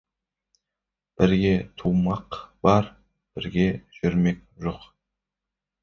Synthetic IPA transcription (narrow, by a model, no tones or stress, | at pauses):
b̥ɪɾɡʲe̞t̪ʰumɑqb̥ɑɾ | b̥ɪɾɡʲe̞ʒ̥ʏɾme̞k̚ʲʒoq